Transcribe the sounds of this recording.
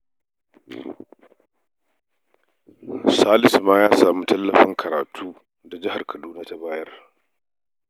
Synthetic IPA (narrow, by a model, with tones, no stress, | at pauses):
saː˦lɪ˨smaː˦jaː˦saː˨muː˦tɐ˦lːɐ˨ɸɪ˦ŋkʰɐ˨ɾaː˨tʰuː˦ | da˨d͡ʒɪ˦ha˨rkʰɐ˨duː˦naː˦ta˦baː˦jɐ˦r